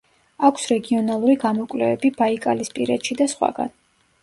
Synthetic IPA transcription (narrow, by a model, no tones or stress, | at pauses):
akʰsɾɛɡiɔnalˠuɾiɡamɔkʼwlɛvɛbibaikʼalispʼiɾɛt̪ʃid̪asχwa̰ɡa̰n